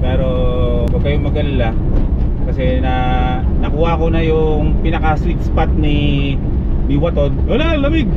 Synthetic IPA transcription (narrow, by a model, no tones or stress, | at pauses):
pɛːɾo̞ | kɐɡ̚kɐjoŋmɐɡɐlɐla | kɐsɛnɐ | nɐkuːhaʔkonɐjʊŋpɪnɐkɐswɪt̪̚spat̪̚nɪ | biwɐt̪o̞d̪wɐlalɐbɪɡ̚